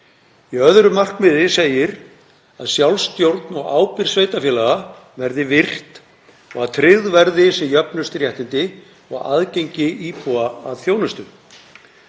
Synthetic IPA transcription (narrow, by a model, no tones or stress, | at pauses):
iœðɾʏmar̥kmɪðɪseːjɪɾ | aðsjawlst̪jowɾt̪nɔɣa̰ːwpɪɾ̥sveːjt̪afjɛːlaɣa | vɛɾðɪvɪr̥t̪ | ɔɣaðt̪ʰɾɪðvɛɾðɪsɛmjœpnʏst̪ɾjɛht̪ɪnt̪ɪ | ɔ̰ɣa̰ðcejɲcɪʔiːpʰuaa̰ðθjownʏst̪ʏ